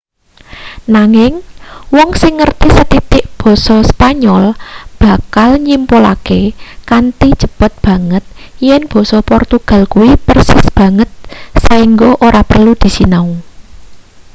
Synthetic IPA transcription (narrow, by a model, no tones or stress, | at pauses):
naŋɪŋwɔŋsɪŋːərt̪isət̪it̪ɪʔb̥ɔ̤sɔspaɲɔlb̥a̤kalɲimpola̰kekant̪i̥ʒ̥ə̤b̥ət̪̚b̥ä̤ŋət̪̚ | jɛnb̥ɔ̤sɔpɔrt̪uɡ̥a̤lkuwipərsɪ̰sb̥ä̤ŋət̪̚saiŋɡoʔoɾapərlud̪̥i̤sinau